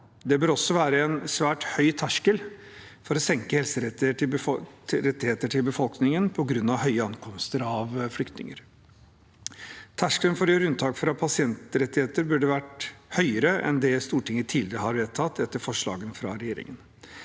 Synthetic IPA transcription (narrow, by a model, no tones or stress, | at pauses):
d̪ɛbøːɾɔsːɔʋæːɾəɛnsʋæːʈhœʏt̪ʰæʂkəlfɔɾɔsɛŋkəhɛlsəɾɛt̪ɪʈɪ | ɾɛt̪ːɪheːt̪əʈʰɪlbəfɔlknɪŋənpʰɔɡɾʉnːɑʋhœʏəɑŋkʰɔmst̪əɾɑʋflʏkt̪nɪ̰ŋə̰ɾ | t̪ʰæʂkələnfɔɾjøːɾʉnt̪ʰɑːkfɔɾɑpʰɑsɪɛnt̪ɾɛt̪ːɪheːt̪əɾbʉɖəʋæʈhœʏəɾəʔɛ̰nd̪ɛst̪uːʈʰɪŋːət̪ʰːiːlɪɾəɦɑɾʋeːt̪ʰɑt̪ːɛt̪ːəɾfɔʂɭɑ̰ːɡənfɾɑ̰ɾɛjeːɾɪ̰ŋən